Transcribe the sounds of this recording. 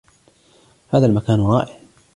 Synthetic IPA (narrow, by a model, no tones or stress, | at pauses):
haːðalmakaːnɾˤɑːʔɪʕ